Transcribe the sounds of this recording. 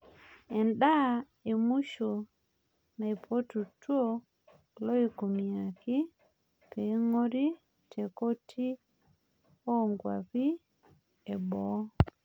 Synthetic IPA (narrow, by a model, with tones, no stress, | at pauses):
ɛ˨nɗa˦ | e˨mu˦ʃo˨ | na˨i˨pʰo˦tu˨tu˦o˦ | lo˦i˨ku˨mi˨a˨ki˦ | pe˨˦ŋo˦ɾi˦ | tʰe˨ko˦tʰi˦ | o˦ŋɡwa̰˨pi˦ | e˨bɔ˨˦